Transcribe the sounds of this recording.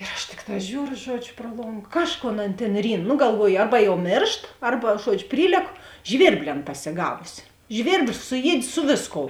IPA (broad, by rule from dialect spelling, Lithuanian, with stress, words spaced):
ɪr ɐʃ ˈtʲɪkˌtɑː ˈʒʲuːrʊ ˈʒuɔd͡ʒʲʊ pruɔ ˈlˠoːŋk ˈkɑːʃˌkoːn ˈɐn tʲeːn ˈrʲiːn nʊ ɡɐlˠˈʋuɔjʊ ˈɐrbɐ jɛʊ ˈmʲeːrʃt ˈɐrbɐ ˈʒuɔd͡ʒʲʊ ˈpʲrʲiːlʲɛkʊ ˈʒʲʋʲɪrʲbʲlʲɪ ˈɐn pɐsʲɪˈɡɑːʋʊsʲɪ ˈʒʲʋʲɪrʲbʲlʲɪ sʊˈjiɛtʲ ˈsʊ ʋʲeːsˌkoːʊ